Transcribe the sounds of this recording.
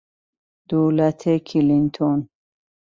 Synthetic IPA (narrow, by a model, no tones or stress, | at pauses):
d̪̥olat̪ʰekʰilint̪ʰon